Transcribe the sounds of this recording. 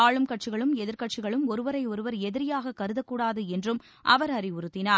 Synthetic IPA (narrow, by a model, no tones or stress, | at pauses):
aːɭɯmkɐʈ̚t͡ʃɪɣɐɭɯmɛðɪɾkɐʈt͡ʃɪɣɐɭɯmɔɾɯʋɐɾɐɪɔɾɯʋɐɾɛðɪɾɪjaːɣɐkɐɾɯðɐkːuːɽaːðɯɛndrɯm | ʔɐ̰ʋɐɾɐɾiʊɾɯt̪ːɪnaː